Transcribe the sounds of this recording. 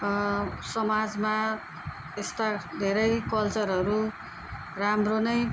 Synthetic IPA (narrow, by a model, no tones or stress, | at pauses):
sʌmad͡zma | est̪ad̪ʱeɾʌjkʌlt͡sʌɾɦʌɾu | ramronʌj